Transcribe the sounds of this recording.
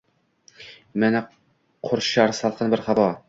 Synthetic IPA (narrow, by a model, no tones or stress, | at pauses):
mænæ | qʰoɾɕɑɾsɑlˠqɤnbɘɾχɑbɑ